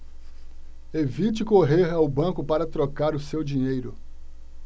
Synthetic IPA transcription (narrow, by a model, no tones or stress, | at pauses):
evit͡ʃɪkoɦeɾawbɐ̃kʊpaɾɐt̪ɾokaɾʊsewd͡ʒĩɲejɾʊ